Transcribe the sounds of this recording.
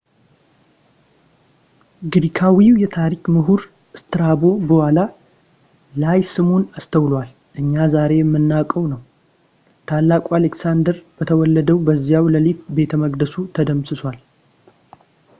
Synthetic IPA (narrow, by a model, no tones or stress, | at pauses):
ɡɾikʰawiwjɛt̪ʰaɾikmɨɦuɾ | ɨst̪ɨɾabo̞bəhala | lajsɨmonast̪ʰəwlwal | ʔɨɲːazaɾe̞jɛmːɨnːakʼəwnəw | t̪ʰalːakʼualeksand̪əɾb̥ət̪ʰəwɔlːəd̪əwbəzːijawləlit̪̚be̞t̪ʰəməɡd̪əsut̪ʰəd̪əmsɨswʷal